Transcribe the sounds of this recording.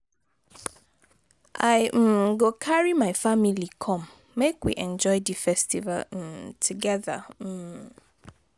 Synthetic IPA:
ʔa̰ɪɡokʰaɹimaɪfamilikʰɔ̃mː | ekwḭʔɛ̃nd͡ʒɔɪdɨfɛstiva̰l̩tʰuɡɛða̰

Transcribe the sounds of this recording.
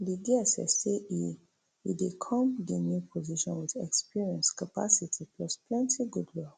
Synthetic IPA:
diɡɛsɛ̰sei | ḭdekʰɔ̃mdenjupʰɔziʃɔ̃nwiθɛ̰kspiɹiɛ̃nskapa̰sitʰiplɔsplɛ̃ntʰiɡudlɔk

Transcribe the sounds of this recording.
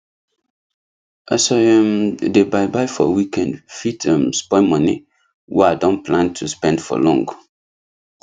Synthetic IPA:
əsɔɛmdebajbajfɔ̰wikɛ̃ndfitʰɛmspɔmɔnḭ | weadɔ̃nplãntʰuspɛ̃ndfɔ̰lɔ̃ŋɡ

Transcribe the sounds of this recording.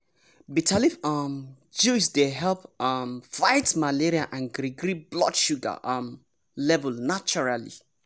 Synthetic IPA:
bitʰalifɔm | d͡ʒusdeɦɛlpmfaɪtmaleɹiaʔãnɡɾiɡɹiblɔ̰tʃuɡa̰ʔam | lɛvəlnat͡ʃɔɹalḭ

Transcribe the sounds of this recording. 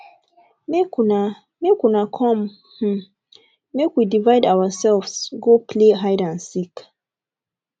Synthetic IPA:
mekna | mekwunakʰɔ̃m | h̩ | mekwidivaɪdawəsɛlvsɡopʰleɦaɪdãnsik

